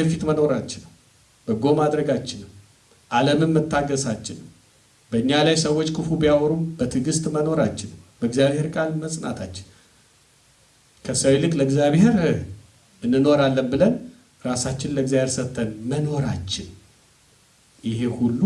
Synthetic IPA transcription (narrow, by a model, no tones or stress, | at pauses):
əfit̪məno̞ɾat͡ʃːɪnːəw | b̥əɡo̞mad̪ɾəɡat͡ʃːɪnːəw | ʔaləmɨmːɨt̪ʰːaɡəsat͡ʃːɪnəw | b̥əɨɲːalajsəwːo̞t͡ʃːkʰɨfubijawɔɾumbət̪ʰɨɡɨst̪məno̞ɾat͡ʃːɪnːəwbəɡzjaβhe̞ɾkʼalməsʼna̰t̪ʰat͡ʃːɪ̥n | kʰəsəwlɨkʼləɡzjaβhe̞ɾɨ | ɨnːɨno̞ɾalːənbɨlən | ɾasat͡ʃːɪnləɡzjaβheɾsət̪ʰːənməno̞ɾat͡ʃːɪn | jɪhe̞hulːu